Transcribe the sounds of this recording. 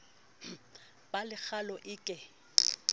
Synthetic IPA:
balɪk͡xʰalɔʔɪːkʼɪ

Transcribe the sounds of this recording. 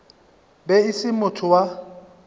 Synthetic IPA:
bɛɪsɪmʊtʰʊwa

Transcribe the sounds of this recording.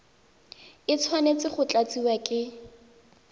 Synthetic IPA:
ɪt͡sʰwanet͡sɪχʊt͡ɬʼat͡siwakʼɪ

